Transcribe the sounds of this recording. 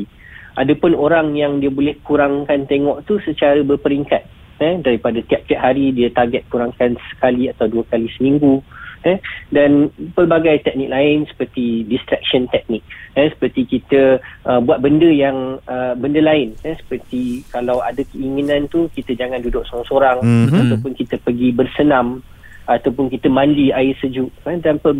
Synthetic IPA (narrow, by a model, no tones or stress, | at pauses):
ʔadəpʊnoɾaŋjaŋdiəbolɛhkuɾaŋkant̪eŋɔʔt̪usət͡ʃaɾəbərpəɾiŋkat̪̚ | ɛdaɾipadat̪iap̚t̪iap̚ɦaɾidiət̪arɡɛt̪̚kuɾaŋkansə̥kaliat̪awduəkalisəmĩŋɡuɛdanpəlbaɡajt̪ɛk̚nik̚laɪnsə̥pərt̪idist̪ɾɛk̚ʃənt̪ɛk̚nɪk̚jɛsə̥pərt̪ikit̪əʔəbuat̪̚bəndəjaŋəbəndəlaɪnɛsə̥pərt̪ikalawa̰dəkəiŋinãnt̪ukit̪əd͡ʒaŋãndudʊʔ̚soasoɾaŋat̪awpʊnkit̪əpəɡibərsənãm | at̪awpʊnkit̪əmãndiaɪsəd͡ʒuʔadanpə